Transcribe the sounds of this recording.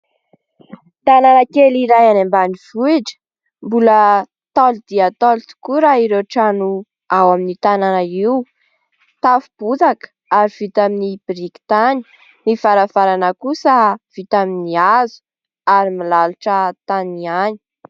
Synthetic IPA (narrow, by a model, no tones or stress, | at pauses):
t̪ananakeliɾajanambanivuiʈ͡ʂə̥ | mbulə | t̪ald̪̥iat̪olut̪u̥kuɾaiɾeʈ͡ʂanu | awaminit̪ananaiu | t̪afub̥uzak | aɾiv̥it̪aminibrikt̪ani̥ | nifaɾavaɾanəkusəv̥it̪aminiazu̥ | aɾimilaluʈ͡ʂət̪aniani̥